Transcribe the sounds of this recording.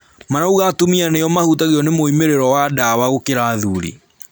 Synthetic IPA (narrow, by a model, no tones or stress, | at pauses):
manauɣatomianejɔmahutaɣiɔnemoimeɾeɾɔwadawaɣokeɾaːðuɾḭ